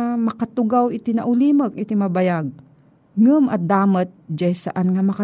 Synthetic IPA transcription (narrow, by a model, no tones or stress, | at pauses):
mɐkat̪ʊɡawɪt̪ɪnɐʔʊliːmɐk̚ʔɪt̪ɪmɐbɐjaɡ̚ | ŋɨmʔɐd̪aːmɐt̪̚d͡ʒajsɐ̰ʔanŋɐmɐka